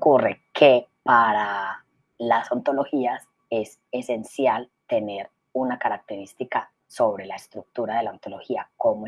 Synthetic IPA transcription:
kurekʰe̞ | paɾa | laso̞nt̪o̞lo̞hias | e̞s | e̞se̞nsjalt̪e̞ne̞ɾ | unakaɾak̚t̪e̞ɾist̪ika | so̞βɾe̞laest̪ɾuk̚t̪uɾaðe̞laont̪o̞lo̞hiako̞mo

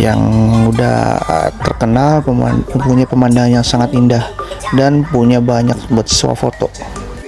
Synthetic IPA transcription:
ja̰ŋuda̰ht̪ərkənalə̰puɲapəmandaŋanjaŋsaŋat̪indahdanpuɲabaɲak̚bat̪sə̥sua̰fot̪ɔ

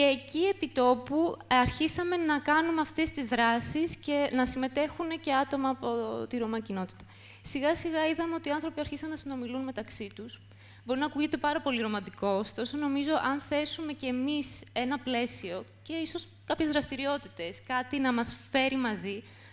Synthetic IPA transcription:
ce̞ːcie̞pit̪o̞puɐɾçisɐme̞nɐkɐnumeɐft̪e̞st̪izðɾɐsisce̞nɐsime̞t̪e̞xunece̞ɐt̪o̞mɐːpo̞t̪iɾo̞mɐcino̞t̪i̥t̪ɐ̥ | siɣɐsiɣɐiðɐme̞o̞t̪iɐnθɾo̞piɐɾçisɐnːɐsino̞milunme̞t̪ɐksit̪us | bo̞ɾinɐkuʝit̪e̞pɐɾɐpo̞liɾo̞mɐnd̪iko̞ːst̪o̞so̞no̞mizo̞ʔɐnθe̞sume̞cemise̞nɐple̞sio̞ | ce̞iso̞s | kɐpçe̞zðɾɐst̪iɾio̞t̪it̪e̞skɐt̪inɐmɐsfe̞ɾimɐzi

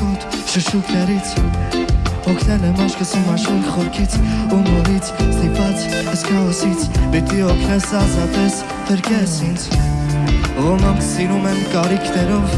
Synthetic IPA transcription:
ɔt̪ʃəʃuknɛɾit͡sʰ | ɔkʰnɛlɛmɑʃkəsimɑʃɔɾkχɔɾkʰit͡sʰunɔɾit͡sʰst̪ipɑt͡shəskɑɦɔsit͡sʰbit̪iɔkʰnɛsɑzɑt̪ɛs | pʰəɾkɛsint͡sʰ | ʁɔmɑnsiɾumɛnkɑɾikʰnɛɾɔv

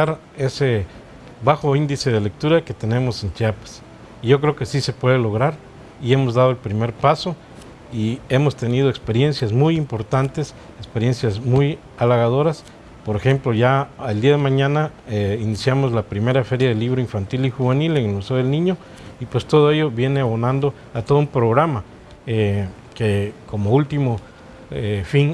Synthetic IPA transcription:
aɾ | e̞se | βaxo̞ind̪ise̞ðe̞le̞k̚t̪uɾake̞t̪ene̞mo̞se̞nt͡ʃiapḁs | iʝo̞kɾe̞oke̞sise̞pwe̞ðelo̞ɣ̞ɾaɾ | ie̞mozðað̞oe̞lpɾime̞ɾpaso̞ | ie̞mo̞st̪e̞nið̞oekspe̞ɾje̞nsjazmujimpo̞ɾt̪ant̪es | ekspe̞ɾje̞nsjazmuj | alaɣað̞o̞ɾas | po̞ɾexe̞mploʝaːld̪iaðemãɲãnaeinisjamozlapɾime̞ɾafe̞ɾjaðeliβ̞ɾoiɱfant̪ilixuβe̞nileŋelmuseoðelnĩɲo | ipwe̞st̪o̞ðoe̞jo̞βje̞neaβonãnd̪o | at̪oðumpɾoɣɾama | e | keko̞moult̪imo | efiŋ

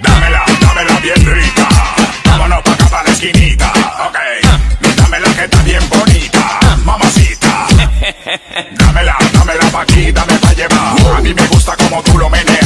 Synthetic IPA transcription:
d̪amelad̪amelaβjendɾit̪akomonopakap̪aɾekinit̪a̰okejd̪amelaket̪aβjembonit̪a̰mamasit̪a̰ | d̪amelad̪amelapakit̪ameβaʎeβaamĩmeɣust̪akomot̪ulomene

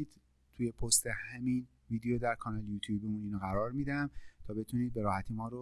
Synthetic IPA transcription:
iːd̪̥ | t̪ʰuːje̞pʰost̪ʰe̞hæmin | viːd̪ejod̪æɾkʰɒnɒːljuːt̪ʰjuːbemuniːnoɣæɾɒːɾmid̪ææmt̪ʰɒːbe̞t̪ʰuniːd̪̚be̞ɾɒːhæt̪ʰiːmɒːɾo

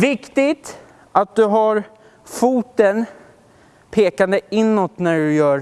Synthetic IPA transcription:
vɪkt̪ɪt̪ | ʔat̪̚d̪ɵɦaɾ | fuːt̪ən | pʰeːkand̪əɪnːɔt̪næɖɵjœːɾ

